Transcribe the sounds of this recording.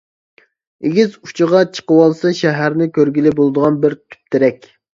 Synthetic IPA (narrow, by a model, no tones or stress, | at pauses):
eɡʲizu̥t͡ʃʰəʁɑt͡ʃʰə̥qəwɑlˠsɨʃæɦæɾnɪkʲʰøɾɡʲilɪbolˠd̪əʁɑnbɪɾt̪ʰy̥p̚t̪ʰɪɾɛkʲ